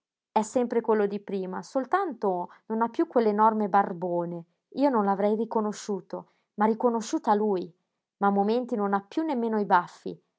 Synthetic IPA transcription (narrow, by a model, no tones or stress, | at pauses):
ɛsːɛmpɾekwelːod̪ipɾiːmasolt̪ant̪ononapːjukːwelːenɔrmebarboːne | iːononlavɾɛjrikonoʃːuːt̪o | marikonoʃːuːt̪aluj | mamːoment̪inonapːjunːemːeːnoibafːḭ